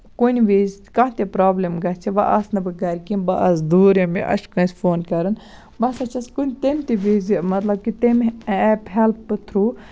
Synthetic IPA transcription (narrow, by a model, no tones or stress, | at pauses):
kunʲʋiːzkɐ̃ɦt̪ʲepɾaːblʲemɡɐt͡ʃʰiʋɐ̰ʔɐsnɨbɨɡɐɾʲkimbɐʔɐsd̪uːɾemḭʔɐ̰ʃkɐnsʲfoːnkɐɾɨn | bɐsɐt͡ʃʰɐskunʲt̪emʲt̪iʋiːzimɐt̪lɐb̚kit̪emɛpɦelpːɨt̪ʰɾuː